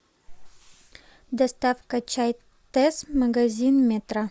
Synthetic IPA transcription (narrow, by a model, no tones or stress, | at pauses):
d̪ɐst̪afkɐt͡ɕaj | t̪ɛsmɐɡɐzʲinmʲet̪ɾa